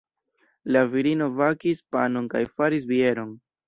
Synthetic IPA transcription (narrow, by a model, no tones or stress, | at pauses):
laviɾino̞vakispano̞nkajfaɾis̬bie̞ɾo̞n